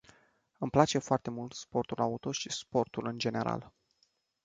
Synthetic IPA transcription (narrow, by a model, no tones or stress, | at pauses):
ɨmplat͡ʃe̞foart̪e̞mult̪spo̞rt̪ulʔaut̪o̞ʃispo̞rt̪ulɨnd͡ʒe̞ne̞ɾa̰l